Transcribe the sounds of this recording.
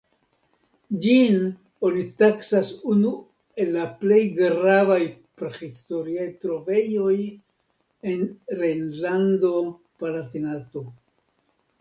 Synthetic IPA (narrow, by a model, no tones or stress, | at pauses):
d͡ʒin | olitaksasunu | e̞lːaple̞jɡɾavajpɾexisto̞ɾiajtɾo̞ve̞jo̞j | e̞nɾenlando̞ | palatinato̞